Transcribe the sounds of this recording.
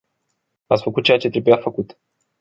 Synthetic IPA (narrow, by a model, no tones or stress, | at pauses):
at̪sʲfəkut̪̚t͡ʃejat͡ʃe̞t̪ɾe̞bujafəkut̪